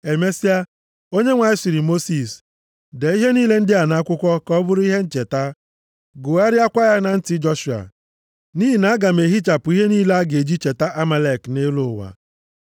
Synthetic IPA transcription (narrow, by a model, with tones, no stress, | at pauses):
e˨me˦si˦a˦ | o˦ɲe˦ŋʷa˨ɪ˦si˨ɾi˨mo˦si˨s | de˨i˦ɦe˦niː˦le˦n̩˦dɪ˦a˨na˨˦kʷʊ˦kʷɔ˦kɔ˦bʊ˦ɾʊ˦i˦ɦe˦n̩˦t͡ʃe˨ta˦ | ɡʊ˨a˦ɾɪ˦a˦kʷa˦ja˦na˨n̩˦tɪ˦d͡ʒɔ˦ʃu˨a̰˨ | ni˦ɦi˨na˨˦a˦ɡa˨me˨ɦi˦t͡ʃa˨pʊ˨˦i˦ɦe˦niː˦le˦a˦ɡe˨d͡ʒi˦t͡ʃe˨ta˦ʔa˦ma˨le˦˨kne˦lo˨wa̰˨